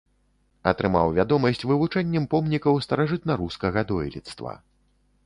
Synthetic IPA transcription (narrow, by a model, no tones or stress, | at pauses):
ɐ̰t̪ɾɨmawvʲad̪ɔmɐsʲt͡sʲvɨvut͡ʂɛnʲːɛmpɔmnʲikɐwst̪ɐɾaʐɨt̪nɐɾuskɐɣɐd̪ɔjlʲḭt̪st̪vɐ̰